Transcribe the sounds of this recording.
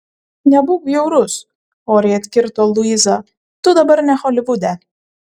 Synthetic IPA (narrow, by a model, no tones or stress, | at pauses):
nʲɛbʊkjɛʊɾʊs | oːɾʲɛɐt̪ʲkʲɪɾt̪oːlˠʊizɑ | t̪ʊd̪ɐbɐɾnʲɛxɔlʲɪʋʊd̪ʲɛ